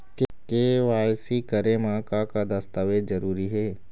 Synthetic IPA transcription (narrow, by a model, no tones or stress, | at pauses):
kekeʋaːjsikɐɾemãːkakad̪ɐst̪aʋezɐɾuːɾiɦɛː